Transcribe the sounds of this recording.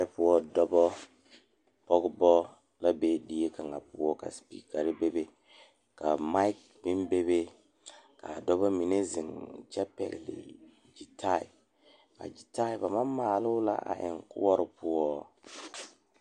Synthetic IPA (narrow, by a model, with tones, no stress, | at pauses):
ɪ˦pʊ˦wɔ˦dɔ˦bɔ˦ | pɔ˦ɡbɔ˦ | la˦be˦di˦je˦ka˨ŋa˨pʊ˦ɔ˦ka̰˨spḭː˦ka˨ɾɪ˦be˦be˦ | ka˨ma˦i˦k̚ | bɪ˦mbe˦be˦ | ka˨dɔ˦bɔ˦mi˨ne˦zɪ˨ŋt͡ʃɛ˦pɛ̰˦˨ɡlɪ̰˨ | d͡ʒi˨tʰa˦˨ɪ̰˨ | ka̰˨d͡ʒi˨ta˦ɪ˨ba˨ma˦mːaː˨lʊ˦la̰˦ʔa̰˨ʔɪ̰˨ŋkʊ̰˦wɔ˦ɾɪ˨pʊ˦wɔ˦